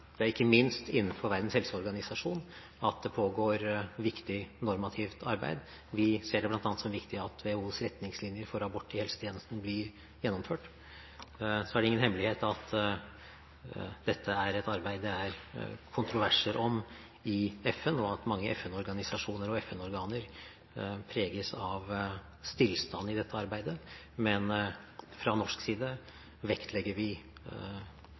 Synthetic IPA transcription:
d̪̥ɛæɾɪkːəmɪnst̪ɪnːn̩fɔɾʋæɾd̪ən̩shɛlsəɔɾɡɑnɪsɑʂuːn | ɑt̪d̪ɛpʰoːɡoːɾʋɪkt̪ɪnɔɾmɑt̪ʰɪft̪ʰɑɾbæ̰ɪd̪ | ʋɪseːɖɛblɑnt̪ɑnt̪sɔmʋɪkt̪ɪɑt̪ʰʋehuːsɾɛt̪nɪŋslɪnjəɾfɔɾɑbɔʈ̪ːɪhɛlsət̪ʰeːnəst̪n̩blɪɾ | jɛnːɔmføːʈ | sɔæɖɛɪŋːənhɛmːlɪheːt̪ɑt̪ | d̪̥ɛt̪ʰːəæɾɛt̪ɑɾbæɪd̪əæɾkʰʊnt̪ɾʊʋæʂəɾʔɔm | ɪɛfɛnɔɑt̪mɑŋːəʔɛfɛnɔɾɡɑnɪsɑʂuːnəɾɔɛfɛnɔɾɡɑːnəɾ | pʰɾeːɡəsɑʋ | st̪ɪlst̪ɑnːɪd̪ɛt̪ʰːəɑɾbæɪd̪ə | mɛnfɾɑnɔʂksiːd̪ə | ʋɛkt̪ʰlɛɡːəɾʋɪ

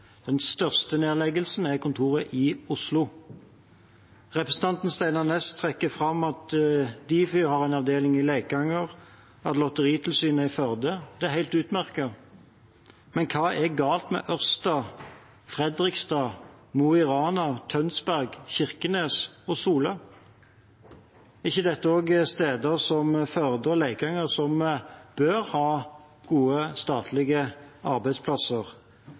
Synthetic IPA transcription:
d̪̥ɛnst̪œʁst̪əneːlɛɡəlsn̩æʁkʊnt̪ʰuːʁəʔɪʊslʊ | ʁɛpɾʁəsn̩t̪ɑnt̪n̩st̪æɪnɑʁnɛst̪ʰʁɛkːəfʁɑmɑt̪d̪iːfʏhɑʁæɪnɑʋd̪eːlɪŋɪleːk̚ɡɑŋːəʁ | ɑt̪lɔt̪əʁiːt̪ʰɪlsyːnəæɪfœʁd̪əd̪ɛæhæɪlt̪ʉːt̪mæʁkɑ | mɛnkʰɑːɛɡɑːlt̪mɛ̰ʔœʁst̪ɑː | fʁɛd̪ʁɪkst̪ɑːmuɪʁɑːnɑt̪ʰœnsbæʁɡçɪʁkəneːsɔsuːlə | ɪçːəd̪ɛt̪ːəoːɡst̪eːd̪əʁsɔmfœʁd̪əlæɪkɑŋəʁsɔmb̥øʁhɑː | ɡ̥uːəst̪ɑːt̪ʰlɪɡəʔɑʁbæɪspʰlɑsəʁ

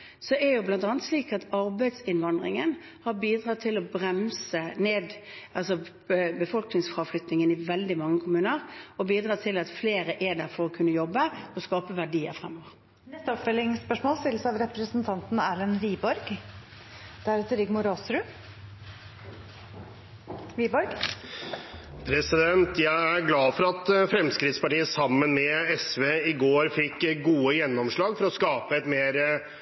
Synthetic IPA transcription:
sɔɛɾjʊblɑnt̪ɑːnət̪sliːkɑt̪ɑɾbæɪd̪sɪnʋɑnd̪ʁɪ̰ŋən | hɑbiːd̪ʁɑːt̪ʰɪlɔbɾɛmsəneːd̪ɑlsɔ | bəfɔlknɪŋsfʁɑːʋflʏt̪nɪŋənɪʋɛld̪ɪmɑŋːəkʰʊmʉːnəʁɔbiːd̪ɾɑːt̪ʰɪlɑt̪fleːɾəʔɛd̪æfɔɾɔkʰʉnːəjɔbːəɔskɑːpəʋæɖiːə̰ɾfʁɛmːoːʋəʁ | nɛst̪əɔpfœlɪŋspœʂmoːlst̪ɪləsɑʋɾɛpɾəsn̩t̪ʰɑnt̪n̩æːlənɾiːbɔɾɡ | d̪̥ɛæɾt̪ɾɪɡmʊɾoːsɾʉ | ʋiːbɔɾɡ | pʰɾɛsɪd̪ɛnt̪jæɪæɾɡlɑːfɔɾɑt̪fɾɛmskɾɪd̪spɑʈiːəsɑmːənmɛɛsʋeːɪɡoːɾfɪkːɡuːəjɛnːɔmʂɭɑːɡfɔɾɔskɑːpəɛt̪meːɾ

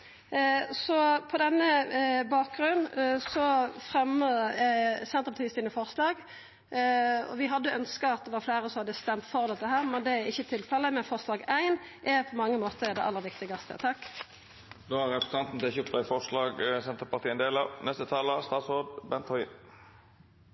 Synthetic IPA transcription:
sɔpʰɔd̪ɛnːəbɑːk̚ɡɾʉnsɔfʁɛməɛsɛnt̪əpʰɑt̪iːst̪ɪːnəfɔʁslɑːɡ | ɔ̰ʋɪɦɑd̪ːəœnskɑɑt̪̚d̪ɛʋɑɾflæɪʁəsɔmhɑd̪əst̪ɛmt̪fɔʁd̪ɛt̪ːəɦæːʁmɛnd̪ɛæɪçːət̪ʰɪlfɛlːəmɛnfɔʁʂlɑːɡæɪnʔɛpʰɔmɑŋːəmoːt̪əɛd̪ɛʔɑlːəʁɾʋɪkt̪ɪɡɑst̪ʰə̰t̪ʰɑkː | d̪oːæɾɾɛpɾsʰɑnt̪n̩t̪ɛçʉpt̪ɑɪfɔʁʂlɑːɡsɛnt̪əpɑʁt̪ʰiːəɛnd̪eːlɑnɛst̪ət̪ʰɑːləst̪ɑːt̪sʁoːd̪bɛnt̪hɔʏ

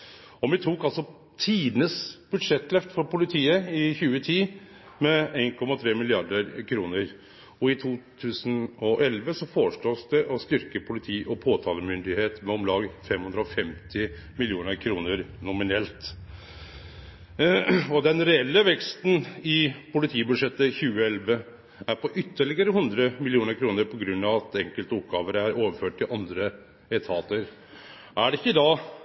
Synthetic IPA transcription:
ɔʋɪt̪ʰuːkɑlsɔ | t̪ʰiːd̪nəsb̥ʉd̪ʂɛt̪lɛft̪fɔɾpʊlɪt̪ʰiːəɪçʉːət̪ʰiː | mɛeɪnkʰɔmɑt̪ʰɾeːmɪlɪɑɖəɾkʰɾuːnəɾ | ɔɪt̪ʰuːt̪ʰʉːsənɔʔɛlʋəsɔfɔʂɭoːsd̪ɛʔɔst̪ʏɾkəpʰʊlɪt̪ʰiːʔɔpʰoːt̪ʰɑːləmʏnd̪ɪheːt̪mɛɔmlɑːɡfɛmhʉnd̪ɾɔfɛmt̪ʰɪ | mɪljuːnəɾkʰɾuːnəɾnʊmɪnɛlt̪ | ɔd̪ɛnɾɛɛlːəʋɛkst̪n̩ɪpʊlɪt̪ʰiːbʉd̪ʂɛt̪ːəçʉːəɛlʋə | æɾpɔʔʏt̪ʰːəɭɪɡəɾəɦʉnd̪ɾəmɪlɪuːnəɾkʰɾuːnəɾpʰɔɡɾʉnːɑʋɑt̪ɛŋkəlt̪əɔpːɡɑːʋəɾæɾoːʋəføːʈːɪʔɑnd̪ɾə | ɛt̪ʰɑːt̪əɾ | ʔæɖɛɪçːəd̪ɑː

